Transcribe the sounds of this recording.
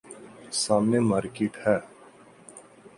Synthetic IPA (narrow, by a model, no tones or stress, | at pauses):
saːmnemaːɾkeʈhɛː